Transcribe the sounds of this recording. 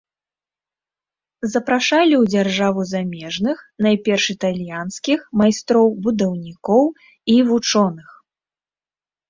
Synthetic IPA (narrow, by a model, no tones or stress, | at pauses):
zɐpɾaʂalʲiwd͡zʲarʐavuzamʲɛʐnɨxnajpʲɛrʂɨt̪alʲjanskʲixmajst̪ɾɔwbud̪ɐwnʲikɔw | ivut͡ʂɔnɨx